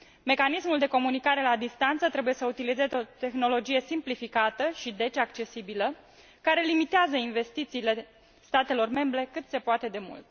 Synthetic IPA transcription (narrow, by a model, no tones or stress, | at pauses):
me̞kanismuld̪e̞ko̞munikaɾe̞lad̪ist̪ant̪sət̪ɾe̞buje̞səut̪ilizeot̪e̞xno̞lo̞d͡ʒije̞simplifikat̪əʃid̪e̞t͡ʃakt͡ʃe̞sibilə | kaɾe̞limit̪eazəinve̞st̪it̪siːle̞ | st̪at̪e̞lo̞rme̞mbɾe̞kɨt̪se̞poat̪e̞d̪e̞mṵlt̪